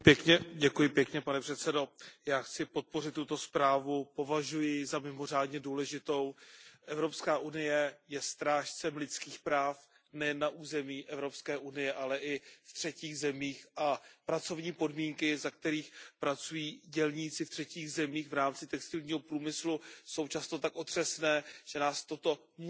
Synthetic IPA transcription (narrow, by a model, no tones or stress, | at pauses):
pjɛkɲɛɟɛkujɪpjɛkɲɛpanɛpr̥ɛt̪t͡sɛdo̞jaːxt͡sɪpo̞t̪̚po̞rɪt̪ːut̪o̞spɾaːvupo̞vaʒujɪzamɪmo̞r̝aːdɲɛduːlɛʒɪt̪o̞wʔɛvɾo̞pskaːʔunɪjɛjɛst̪ɾaːʃt͡sɛmlɪt͡skiːxpɾaːf | nɛjɛnːaʔuːzɛmiːʔɛvɾo̞pskɛːʔunɪjɛʔalɛʔɪft̪r̝̥ɛciːɣzɛmiːxʔapɾat͡so̞vɲiːpo̞dmiːŋkɪzak̚t̪ɛɾiːxpɾat͡sujiːɟɛlɲiːt͡sɪft̪r̥ɛciːɣzɛmiːxvɾaːmt͡sɪt̪ɛkst̪ɪlɲiːɦo̞pɾuːmɪsluso̞wt͡ʃast̪o̞t̪akʔo̞t̪r̥ɛsnɛːʒ̥ɛnaːst̪o̞t̪o̞ | m